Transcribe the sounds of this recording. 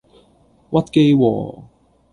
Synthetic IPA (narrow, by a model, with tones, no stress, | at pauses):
wɐ˥t̚ke˥jwɔ̰ː˨˩